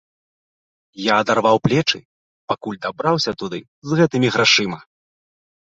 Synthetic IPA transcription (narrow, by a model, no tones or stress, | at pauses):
jaːd̪arvawplʲɛt͡ʂɨ̰ | pakulʲd̪abɾawsʲɐt̪ud̪ɨ | zɣɛt̪ɨmʲiɣɾaʂɨmɐ